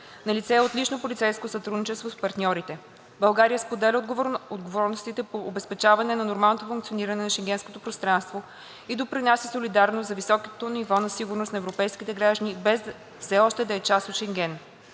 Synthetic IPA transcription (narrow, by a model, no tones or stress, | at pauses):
nɐlit̪sɛot̪lit͡ʃnopolʲit̪sɛjskosɐt̪ɾud̪nit͡ʃɛst̪vospɐɾt̪nʲɔɾit̪ɛ | bɐlˠɡaɾijəspod̪ɛlʲəod̪ɡovɔɾnost̪it̪ɛpoːbɛspɛt͡ʃavɐnɛnɐnoɾmalˠnot̪ofuŋkt̪sioniɾɐnɛnɐʃɛŋɡʲɛnskot̪opɾost̪ɾanst̪vo | id̪opɾinasɛsolid̪aɾnost̪zɐvisɔkət̪onivɔnɐsiɡuɾnost̪nɐɛvɾopɛjskit̪ɛɡɾaʒd̪ənibɛz | fsɛɔʃt̪ɛd̪ɐɛt͡ʃast̪ot̪ʃɛŋɡʲɛn